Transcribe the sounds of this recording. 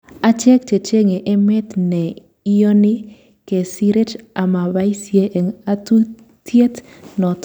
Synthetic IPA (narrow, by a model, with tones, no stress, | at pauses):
a˦t͡ʃɛ˦k̚t͡ʃe˨t͡ʃe˦ŋe˨ʔe˦mɛ˦t̪nɛ˨ | i˦jo˦ni˦ | ke˨si˦ɾe˦t͡ʃa˨ma˨ba˦i˦sje˦ʔe˨ŋa˦tu˦ | tje˦t | nɔ˨t